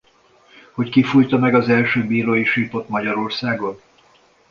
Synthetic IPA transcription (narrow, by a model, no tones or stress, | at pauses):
ho̞ckifujt̪ɒmɛɡɒzɛlʃøːbiːɾoːjiʃipo̞t̪mɒɟɒɾo̞rsaːɡo̞n